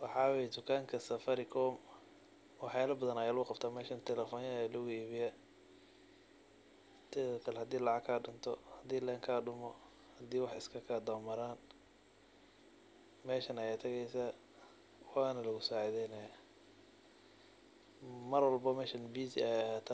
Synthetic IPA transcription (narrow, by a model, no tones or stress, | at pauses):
wɑħɑːwɛjd̪ʊkʰaːŋkʰɐsɐfɐɾɪkʰɔːm | wɑħjaːlɐbɐðɐnɐjaːlʊʊqɑbt̪ʰaːmɛːʃɐnt̪ʰɛlɛfɔːnjlʊɣʊiːβɪja | t̪ʰɛkʰɐlhɐd̪iːlɑʕɑkʰːaːɖʊnt̪ʰɔhɐd̪iːlɛːŋkʰaːɖʊmɔ | hɐd̪iːwɑħɪskʰɐkʰaːd̪ɐmɐɾaːn | mɛːʃɐnɐjɛːt̪ʰɐɣɛjsaː | waːnɐlɐɣʊsɔːʕɪðɛjnɐjɔ | mɐrwɐlbɐmɛːʃɐnbiːsiɛjɐhaːt̪ʰː